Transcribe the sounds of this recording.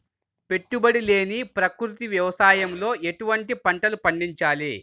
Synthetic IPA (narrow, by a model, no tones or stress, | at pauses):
pe̞ʈːubɐɽile̞ːnipɾɐkɾut̪iʋjɐʋɐsaːjɐmlo̞ːʔe̞ʈuʋɐɳʈipɐɳʈɐlupɐɳɖiɲt͡ʃaːli